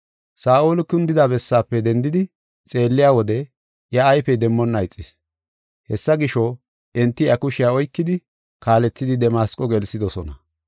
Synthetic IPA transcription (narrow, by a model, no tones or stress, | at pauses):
saːʔoːlʊkʊnd̪ɪd̪aːbɛsːaːpːɛd̪ɛnd̪ɪd̪ɪ | t͡sʼe̞ːlːɪjaːwɔd̪ɛ | ʔjɐːjfɛd̪ɛmːɔnːɐɪt͡sʼːɪs | hɛsːɐɡɪʃɔ | ɛnt̪ːɪjɐkʊʃɪjaːɔjkːɪd̪ɪ | kaːlɛt͡sːɪd̪ɪd̪ɛmaːskʼɔɡɛlsɪd̪ɔsɔnɐ